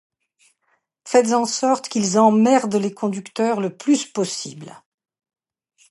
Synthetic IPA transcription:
fɛt̪zɑ̃sɔʁt̪kʲilzɑ̃mɛʁd̪lekʰɔ̃d̪ykt̪œʁləplyspɔsḭbl

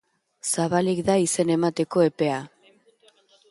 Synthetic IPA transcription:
saβalik̚d̪aise̞ne̞mat̪e̞ko̞e̞pe̞a

